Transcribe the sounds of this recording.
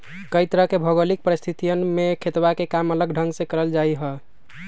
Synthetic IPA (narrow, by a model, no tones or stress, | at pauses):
kəjt̪ɾəɦkebʱəɡolik̚pəɾist̪ʰit̪ijənmekʰet̪bakekamələɡɖʱə̃ŋɡsẽkəɾəld͡ʒaiɦə